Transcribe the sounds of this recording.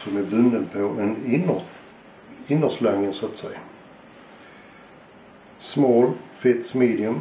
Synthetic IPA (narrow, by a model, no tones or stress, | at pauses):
sɔmɛbɵnd̪ənpʰoʔɛn | ɪnːəslaŋːənsat̪sɛja | smoːɾfɪt̪smeːd̪ɪɵm